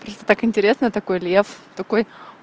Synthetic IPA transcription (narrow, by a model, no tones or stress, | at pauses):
pɾost̪ə̥t̪akɪnʲtʲɪɾʲesnəjt̪ɐko̞jlʲeft̪ɐko̞j